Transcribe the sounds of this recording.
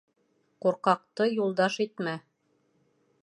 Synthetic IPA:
quɾqɑq̚t̪ɤjulˠd̪ɑʃit̪mæ

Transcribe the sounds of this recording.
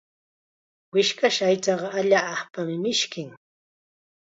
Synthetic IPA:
wɪʃkaʃajt͡sɑɢɑaʎaːχpamɪmɪʃkɪŋ

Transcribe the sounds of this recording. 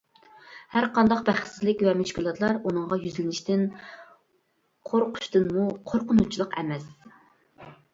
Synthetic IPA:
hæɾqɑnd̪ɑq̚bæχsɪzlɪkʲvɛmuʃkʲulˠɑt̪ʰlˠɑɾunɨŋʁɑjyzlɪnɪʃt̪ɪn | qʰoɾqʰʊ̥ʃt̪ɨnmuqʰoɾqʊnut͡ʃʰilˠəqɛ̰mɛs

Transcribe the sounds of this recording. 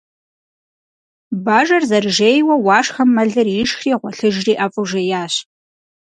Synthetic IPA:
baːʒɐrzɐrɨʒeːjwɐwɑːʂxɐmːɐɮɨrjɪʃxiːʁʷɔɬɨʒriːʔɐfʼʊʒɐjaːɕ

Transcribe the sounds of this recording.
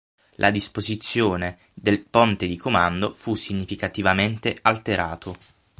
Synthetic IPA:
lʔa̰d̪ispozit̪sːjoːne | d̪elpont̪ed̪ikomand̪ofusːiɲːifikat̪ivament̪ealt̪eɾaːt̪o

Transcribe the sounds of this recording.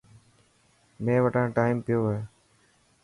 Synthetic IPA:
mẽːʋəʈãːʈaːiːmpɪjoːɦeː

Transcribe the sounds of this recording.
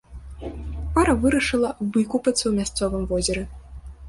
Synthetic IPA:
paɾɐvɨɾɐʂɨlˠɐvɨkupɐt̪sɐwmʲast̪sɔvɨmvɔzʲɛɾɛ

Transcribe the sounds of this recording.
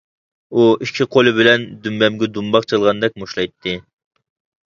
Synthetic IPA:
uʔikʲʰːiqʰolˠɨbɪlɛnd̪ymbɛmɡʲɛd̪umbɑqt͡ʃʰɨlˠʁɑnd̪ɛk̚ʲmoʃlˠɑjt̪ʰːɨ

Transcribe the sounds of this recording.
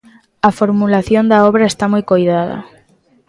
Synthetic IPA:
ɐfoɾmulaθjond̪aɔβɾaest̪amojkojðaðɐ̰

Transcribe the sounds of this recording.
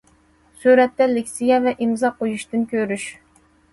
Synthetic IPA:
syɾɛt̪ːɛlɪkʲsɪɡʲɛvɛʔimzɑqʰojuʃt̪ɨnkʲøɾyʃ

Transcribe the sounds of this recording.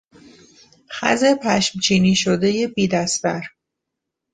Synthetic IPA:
xæ̰ze̞pʰæʃmt͡ʃʰiːniːʃod̪ejebiːd̪æsvæɾ

